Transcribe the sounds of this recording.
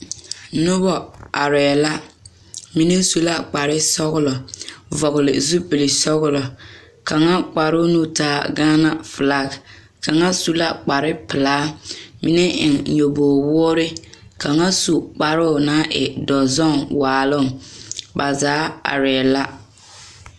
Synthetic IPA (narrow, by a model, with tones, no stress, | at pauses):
nʊ˦bɔ˨a˨ɾɛ˨la˦ | mi˦ne˦su˨la˦k͡pa˨ɾɪ˦sɔ˦ɣʊ˦lɔ˨vɔ˨ɣlɪ̰˨zu˦pɪ˨li˨sɔ˦ɣʊ˦lɔ˨ | ka˨ŋa˦k͡pa˨ɾʊ˦nu˦taː˦ɡaː˦na˦fɨ˨la˨k | ka˨ŋa˦su˨la˦k͡pa˨ɾɪ˦pɪ˨laː˦mi˦nɛ˦ʔɪ̰˨ŋɲo˨boː˨wɔ˦ɾɪ˦ka˨ŋa˦su˨k͡pa˨ɾʊ˦˨na˦ʔɪ̰˨dɔ˨zɔ˦˨ŋwaː˨lʊ˦˨ŋba˨zaː˨˦a̰˨ɾɛ˨ɛ˨la˦